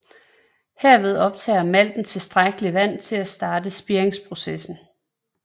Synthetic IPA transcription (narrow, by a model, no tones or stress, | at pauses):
heɐ̰ʋe̝ð̞ˠɒ̽b̥̚t͡sʰɛ̰ːɐmæl̰d̥n̩t͡sʰe̝sd̥ʁaɡ̥əliʋæn̰t͡sʰe̝læsd̥ɑ̈ːd̥əsb̥iɐeŋspʰʁo̝sesn̩